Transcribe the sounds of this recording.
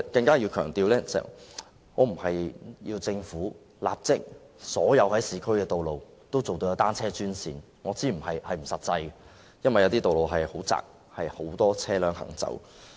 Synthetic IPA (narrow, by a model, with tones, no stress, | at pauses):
kɐ˧ŋkaː˥ji˧wkʰœː˨˩ŋt̪iː˨˧wlɛː˥t͡sɛ̰˨ | ŋɔː˨˧m̩˨˩hɐ˨jjiː˧wt͡sɪ˧ŋfuː˨˥ | la̰ː˨p̚t͡sɪ˥k̚ | sɔː˨˥jɐ˨˧whɐ˨˥jsiː˨˧kʰɵ˥ɥkɛː˧t̪o˨wlo˨w | t̪o˥wt͡so˨wt̪o˧jɐ˧t̪aː˥nt͡sʰɛː˥t͡ʃyː˥nsiː˨n | ŋɔː˨˧t͡siː˥m̩˨˩ɦɐ˨jhɐ˨jm̩˨˩sɐ˨t̚t͡sɐ˧j | jɐ˥nwɐ˨jɐ˨˧t̪iː˥t̪o˨wlo˨wɦɐ˨jho˨˥wt͡sa̰ː˨k̚ | hɐ˨jho˨˥wt̪ɔː˥t͡sʰɛː˥lœː˨˧˥ŋhɐ̰˨˩ŋt͡sɐ̰˨˥w